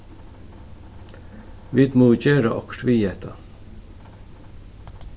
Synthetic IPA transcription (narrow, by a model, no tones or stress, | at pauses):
ʋid̪moːt͡ɕøːɾa̰ʔɔkʈʋiːɛt̪ʰa